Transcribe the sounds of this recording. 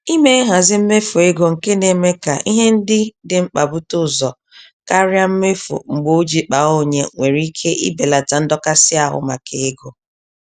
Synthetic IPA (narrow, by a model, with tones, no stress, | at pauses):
i˦me˦ɦa˨zɪ˦m̩˦me˦fo˨e˦ɡo˨ŋ̩˨ke˦ne˨me˦ka̰˨ʔi˦ɦe˦n̩˦dɪ˦dɪ˨ŋ͡m̩˦k͡pa˨bʊ˦tʊ˦˨zɔ˨ | ka˦ɾja˦m̩˦me˦fo̰˨ŋ͡m̩˨ɡ͡bo˦d͡ʒi˨k͡pa˨o˦ɲe˨ŋʷe˨ɾi˦kʰe˦ʔḭ˦be˨la˨ta˨n̩˦dɔ˦ka˦sɪ˦a˨ɦʊ̰˨ma˨kʰe˨e˦ɡo˨